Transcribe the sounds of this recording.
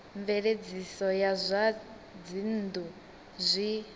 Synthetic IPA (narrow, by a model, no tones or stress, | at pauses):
ɱvɛɺed͡zisɔjazʷa | d͡zin̩du | zʷi